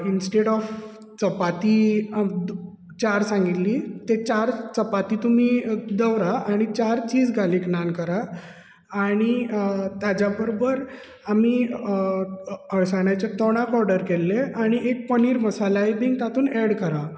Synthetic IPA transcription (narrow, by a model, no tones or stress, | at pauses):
insʈeɽɔf | t͡səpat̪iː | t͡ɕaɾsãŋɡit̪liːt̪et͡ɕaɾt͡səpat̪iːt̪um̤iːd̪əʋɾaaɽ̃it͡ɕaɾt͡ɕiːd͡zɡʱaleknankəɾaː | ɽ̃it̪jad͡ʑjabəɾobəɾ | amiː | əɭsaɳ̃jat͡ɕet̪ɔɽ̃akɔɾɖəɾkelːeaɽ̃iek̚pəniːɾməsalaibiŋɡt̪at̪ʰuːnɛɽkəɾa